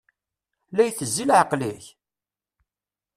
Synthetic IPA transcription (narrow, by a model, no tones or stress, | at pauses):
læjθəzːilʕəqliç